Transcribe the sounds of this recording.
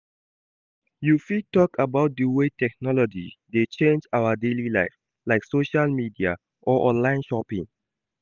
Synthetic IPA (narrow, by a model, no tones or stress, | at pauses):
jufitɔkʰəbaʊt̚dəwetʰɛk̚nɔlɔd͡ʒḭdet͡ʃẽnd͡ʒawədelilaɪf | laɪksoʃalmidia̰ | ʔɔʔɔ̃nlãɪ̃nʃɔpḭ̃ŋ